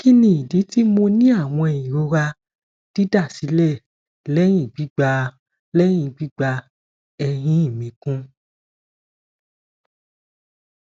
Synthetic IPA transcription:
ki˦nĩ˧˦i˨di˨˦ti˦mo˧nĩ˦a˦˨w̃ɔ̃˧˨ĩ˨ɾo˧ɾa˧ | d̥i˦da˦˨si˨˦lɛ˦˨ | lɛ˦j̃ĩ˦˨ɡ͡bi˨˦ɡ͡ba˧ | lɛ˦j̃ĩ˧˨ɡ͡bi˦ɡ͡ba˧ | ɛ˧ɾ̃ĩ˦i˦˨mĩ˨˦kũ˦

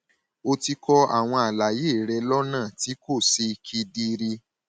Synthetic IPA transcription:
o˧ti˧kɔ˧a̰˦˨w̃ɔ̃˧a˨la˨je˦˨ɾɛ˧lɔ˦nãː˦˨ti˨˦ko˦˨si˧kʰi˧di˧ɾi˧

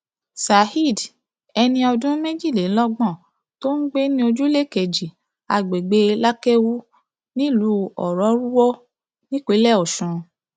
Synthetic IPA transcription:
sa˨hi˦˨d | ɛ˧nĩ˧ɔ˧dũ˦mẽ˦d͡ʒi˦˨le˨˦lɔ˦ɡ͡bɔ̃˦˨ | to˦ŋ̩˦ɡ͡be˦nĩ˦o˧d͡ʒu˦le˦˨ke˨d͡ʒi˨ | a˨˧ɡ͡be˨ɡ͡be˧la˦kɛ˦wu˦ | nĩ˦lu˧˦ɔ̰˨ɾɔ˨˦ɾu˦wɔ˦ | nĩ˦ke˨˦lɛ˦˨ɔ˨ʃɔ̃˨

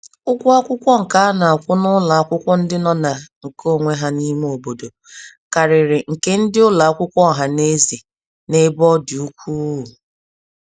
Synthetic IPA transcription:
ʊ˦kʷʊ˦a˦kʷʊ˦kʷɔ˦ŋ̩˨ka˦a˦na˨a˨kʷʊ˦nʊ˦la˨a˦kʷʊ˦kʷɔ˦n̩˦dɪ˦nɔ˦na˨ŋ̩˨ko˦˨ŋʷe˦ɦa˦ni˦me˦o˨bo˨do˨ | ka˨ɾɪ˨ɾɪ˨ŋ̩˨ke˦n̩˦dɪ˦ʊ˦la˨a˦kʷʊ˦kʷɔ˦˨ɦa˨ne˦zi˨ | ne˦bɔ˦dɪ˨u˦kʷuː˦˨

